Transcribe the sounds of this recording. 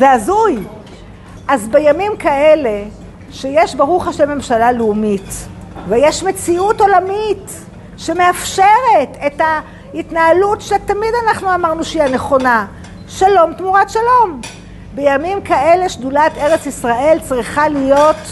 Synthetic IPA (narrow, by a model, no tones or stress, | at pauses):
zeazuj | ʔazbejamimkaele̞ | ʃejeʃbaʁuχaʃelme̞mʃalaleumitvejeʃme̞t͡siuto̞lamit | ʃe̞me̞afʃeʁe̞te̞ta | itnaalutʃetamidanaχnuamaʁnuʃiane̞χo̞na | ʃalo̞mtmuʁatʃalo̞m | be̞jamimkaele̞ʃdulateʁet͡sisʁaʔe̞lt͡sʁiχalijo̞t